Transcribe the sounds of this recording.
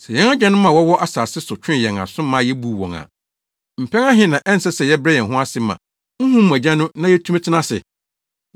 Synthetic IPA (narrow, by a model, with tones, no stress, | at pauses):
sɛ˨jɛ̃˨˦ŋa˦d͡ʑᶣɛ̃˦nʊ̃˦mã˨wɔ˦wɔ˦ʔa˦saː˨sɪ˦sʊ˨t͡ɕʰᶣɪ̃˦jɛ˨ŋa̰˨sʊ̃˦mã˦jɛ˦bu˨wɔ̰̃˨ŋa̰˨ | m̩˨pʰɛ̃˦ŋã˦ɦɪ̃˦nã˨ʔɛ˦n̩˨sɛ˦sɛ˨jɛ˦bɛ˦jɛ˨ɦʊ̃˦a˦sɪ˦mã̰˨ | ŋ̩˦ɦũ˦m˦˨æ˨d͡ʑã˦nʊ̃˦nã˦jɛ˦tʰu˦m˦tʰɪ˦nã˦sɪ̰˨